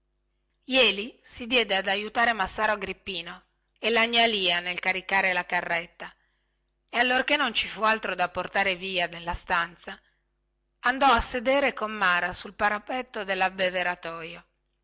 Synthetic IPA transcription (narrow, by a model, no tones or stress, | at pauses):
jɛːlisid̪jɛd̪ead̪ajut̪aːɾemasːaːɾoɡɾipːiːno | elaɲːaliːanelkaɾikaːɾelakarːɛt̪ːa | ealːorkenːont͡ʃifualt̪ɾod̪apːort̪aːɾeviːad̪elːast̪ant̪sa | and̪ɔasːed̪eːɾekomːaːɾasulpaɾapɛt̪ːod̪elːabːeveɾat̪ɔːjo